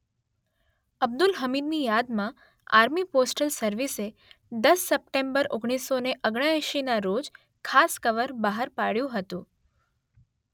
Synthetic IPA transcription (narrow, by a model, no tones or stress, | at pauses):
əb̚d̪ʊlɦəmid̪̚nijad̪mã | a̰ɾmiposʈəlsəɾʋise | d̪əsːəp̚ʈembəɾoɡɽ̃isoneʔəɡɽ̃aɛʃinaɾod͡ʒ | kʰaskəʋəɾbaɦəɾpaɽjũɦət̪ũ